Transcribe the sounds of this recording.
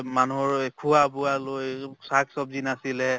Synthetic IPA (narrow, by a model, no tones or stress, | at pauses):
manuɦɔɹkʰuabʊalojsaksɔbzinasilɛ